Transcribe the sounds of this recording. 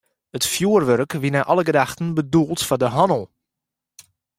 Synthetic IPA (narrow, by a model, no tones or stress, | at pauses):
ətfjuərʋørkʋinaʔɔləɡədaxtən̩bədulˠtfɔdəɦɔnəlˠ